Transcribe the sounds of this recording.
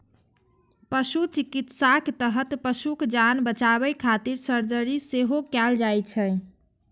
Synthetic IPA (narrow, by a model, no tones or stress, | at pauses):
pəʃut͡ʃikit̪sakt̪əɦət̪pəʃukd͡ʒanbət͡ʃaβɛkʰat̪iɾsəɾd͡ʒəɾiseɦokɛld͡ʒajt͡ʃʰɛ